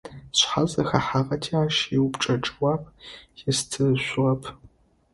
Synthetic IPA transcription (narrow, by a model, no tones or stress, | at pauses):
ɕħazɐxaħaʁɐtʰiːaːʃjɪwpʈ͡ʂʼɐʈ͡ʂʼɨwaːpʰjɛstʰɨɕʷʊʁɐpʰ